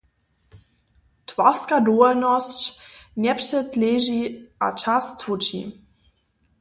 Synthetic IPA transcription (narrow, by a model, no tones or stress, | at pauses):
tʰv̥askadoanɔst͡ʃnʲɛpʃətleʒiʔa̰t͡ʃastʰvut͡ʃḭ